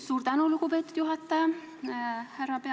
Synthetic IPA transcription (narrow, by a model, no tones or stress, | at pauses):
suːrt̪ænulukupeːt̪ːˑud̪̥juɦɑt̪ːɑjɑ | hærːɑpe